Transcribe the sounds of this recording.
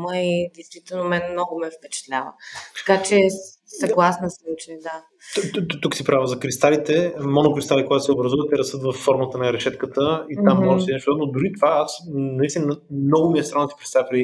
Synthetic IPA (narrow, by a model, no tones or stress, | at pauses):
məid̪ɛjst̪vit̪ɛlˠnomɛnmnɔɡʊmɛfpɛt͡ʃɛ̥t̪lʲavə̰t̪ɐ̥kat͡ʃɛ | sɐɡlˠasnəsut͡ʃɛd̪a | t̪t̪uksipɾavəzɐkɾist̪alit̪ɛmɔnokɾist̪alikoɡat̪ʊsɛobɾɐzuvət̪ɛɾɐst̪ɤt̪vɐfːɔɾmət̪ənɐɾɛʃɛt̪kət̪əit̪amːɔʒɛsinɛʃt̪ad̪nod̪ʊɾit̪ovaasnɐist̪ʲinəmnɔɡʊmiɛst̪ɾanit̪i̥kɾist̪alpɾɛi